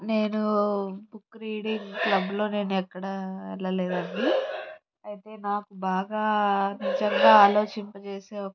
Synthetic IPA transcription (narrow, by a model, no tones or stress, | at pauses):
ne̞ːnubukːɾiːɽiŋɡklɐbːulo̞ːne̞ːnuɛkːɐɽaɛlːɐleːd̪ɐnːi | ɐjt̪e̞ːnaːkubaːɡaːnid͡ʒɐŋɡaːaːlo̞ːt͡ʃimpɐt͡ʃe̞ːseːɔkː